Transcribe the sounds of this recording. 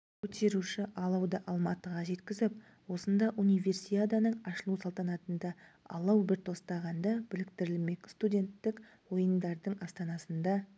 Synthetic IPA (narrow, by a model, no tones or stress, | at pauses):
kʲʰɵt̪e̞ɾuʃɪʔɑlˠɑwd̪ɑʔɑlˠmɑt̪əʁɑʒe̞t̪kʲɪzɪp̚ | wo̞sənd̪ɑʔunijvʲe̞rsijad̪ɑnəɴɑʃəlˠusɑlˠt̪ɑnɑt̪ənd̪ɑ | ɑ̰lˠɑwbɪɾt̪ʰo̞st̪ɑʁɑnd̪ɑb̥ɪlɪkt̪ɪɾɪlme̞kst̪udʲe̞nt̪ːɪk | wo̞jənd̪ɑɾd̪əɴɑst̪ɑnɑsənd̪ɑ